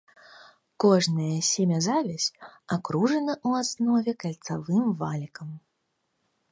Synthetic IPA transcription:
kɔʐnɐjɐsʲɛmʲɐzavʲɛsʲakɾuʐɐnɐʔuasnɔvʲɛkɐlʲt̪savɨmvalʲikɐm

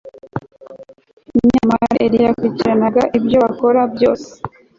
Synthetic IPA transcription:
immɲamaɾaʔeɾijakuiciɾanaɡaʔibjo̞ako̞ɾabjo̞ːse̥

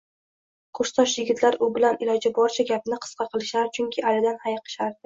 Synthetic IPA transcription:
qʰoɾʃsɒʃjɪɡʲɪt̪ʰlaɾʊbɪlanɪlɒd͡ʒɪbɒɾt͡ʃʰaɡʲapɪnɪqʰɨ̥sqʰɑqʰɨlˠɪʃlaɾɪt͡ʃʰʊŋkʲʰɪʔalɪd̪anhajqʰɨ̥ʃaɾd̪ɪ

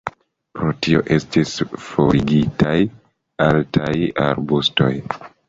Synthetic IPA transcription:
pɾo̞tio̞̰ʔe̞stisfo̞ɾiɡitʰaj | altaja̰ɾbusto̞̰j

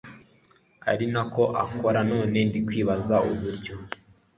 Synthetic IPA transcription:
a̰ɾinako̞ʔa̰kʰo̞ɾano̞ːne̞ndikwiːβazauβuɾɟo̞

